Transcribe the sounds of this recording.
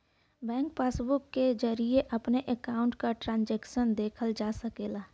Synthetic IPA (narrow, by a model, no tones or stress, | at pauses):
bɛ̃ːŋk̚paːsbʊkːed͡ʒəɾieʔɐpneʔəkaːʊ̃ɳʈkaʈɾãːnd͡ʒɛːkʃənd̪eːkʰəld͡ʒaːsəkeːlaː